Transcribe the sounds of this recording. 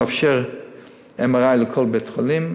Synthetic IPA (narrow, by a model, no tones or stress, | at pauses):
afʃɛʁ | ɛmaʁaɪləkʰɔlˠbetχɔlim